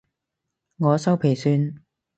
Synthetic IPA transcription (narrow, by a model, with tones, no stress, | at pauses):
ŋɔː˨˧sɐ˥wpʰe˨˩jsyː˧n